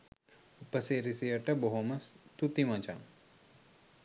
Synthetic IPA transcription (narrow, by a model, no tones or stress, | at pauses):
upɐseɾisijɐʈɐboɦomɐst̪ut̪imãt͡ʃa̰ː